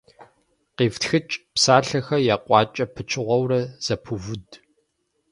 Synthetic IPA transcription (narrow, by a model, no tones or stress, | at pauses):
qeːftxɨt͡ʃʼpsaːɬɐxɐjaːqʷʼɑːt͡ʃʼɐpʰɨt͡ʃʰɪʁʷɔwrɐz̥ɐpʰuvʊd